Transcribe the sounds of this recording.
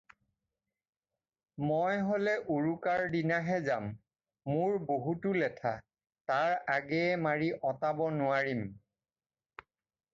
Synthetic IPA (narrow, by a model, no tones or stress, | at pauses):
mojɦolɛʔuɹukaɹdinaɦɛzamː | ʊɹboɦutʊlɛtʰa̰ | taɹaɡɛɛmaɹiʔɔtabɔnʊaɹim